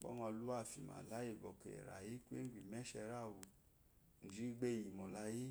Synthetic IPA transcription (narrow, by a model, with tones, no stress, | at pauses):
k͡pɔ̰˦ŋɔ˧lu˦a˦˨fi˨ma̰˨la˨˦je˦˨bɔ˨kḛ˨ɾa̰˨ji˦kʷe˦ŋ˦ɡ͡bʷi˨mɛ˦ʃɛ˧ɾa˦˨wu˧ | n̩˨d͡ʒi˦ɡ͡be˦˨i˨mɔ˨la˧ji˦